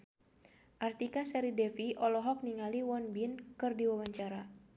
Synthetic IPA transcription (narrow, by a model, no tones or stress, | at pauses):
ʔart̪ikasɛɾidɛfiʔɔlɔɦɔk̚niŋaliwɔnbinkɨrdiwawaɲt͡ʃaɾa